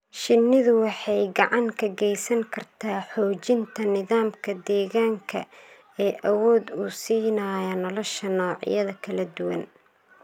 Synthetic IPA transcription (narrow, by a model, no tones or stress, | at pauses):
ʃɪnːɪðʊwɑħɑjɡɑʕɑŋkʰɐɡɛjsɐŋkʰɐrt̪ʰaːħɔːt͡ʃɪnt̪ʰɐnɪðaːmkʰɐd̪ɛːɣaːŋkʰɐ | ɛːʔɐwɔːd̪uːsiːnɐːjɐnɔlɔʃɐnɔːʕɪ̰jɐðɐkʰɐlɐd̪ʊwɐ̰n